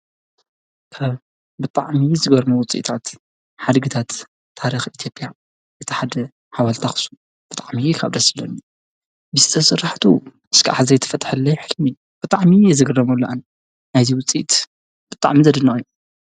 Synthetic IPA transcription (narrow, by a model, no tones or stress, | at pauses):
kʰaβ | bɨt̪ʼa̰ʕmizɨɡɐɾmuwʊt͡sʼḭt̪ʰat̪ | ħad̪ɡɨt̪ʰat̪ʰː | aɾixit̪ʰjo̞pʼja | ʔɨt̪ʰiħad̪ɐ | ħawalt̪ʰaxsu̥ | b̥ɨt̪ʼaʕmikʰaβd̪ɐsɨlɐnu | bɨzɨt̪ʰɐsɨrːaħt̪ʰuʔɨskʰa̰ʔaħzɐjt̪ʰːɐfɐt̪ʼħɨlːɐjħɨlmi | b̥ɨt̪ʼaʕmijɛzɨɡɨrɐmulːɐʔan | najziwʊt͡sʼḭt̪ | b̥ɨt̪ʼa̰ʕmizɐd̪ɨnaʔjːu